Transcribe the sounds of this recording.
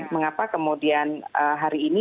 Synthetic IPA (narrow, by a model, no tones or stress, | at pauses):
məŋapakəmudianəɦaɾiːni